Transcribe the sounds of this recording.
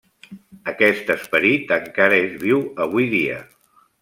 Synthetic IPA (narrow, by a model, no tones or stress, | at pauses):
əkɛst̪əspəɾit̪əŋkaɾəezβ̞iwəβ̞ujðiə̰